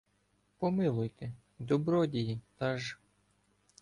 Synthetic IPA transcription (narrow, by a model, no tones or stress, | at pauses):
pɔmɪlˠʊjt̪e | d̪ɔbɾɔdʲijit̪ɑʒ